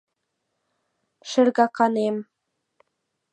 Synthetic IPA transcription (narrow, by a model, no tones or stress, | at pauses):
ʃɘ̆rɣɑkɑnem